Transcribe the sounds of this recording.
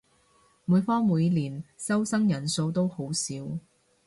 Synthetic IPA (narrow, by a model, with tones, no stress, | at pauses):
muː˨˧jfɔː˥ŋmuː˨˧jliː˨˩nsɐ˥wsɐ˥ŋjɐ˨˩nso˧wt̪o˥who˨˥wsiː˨˥w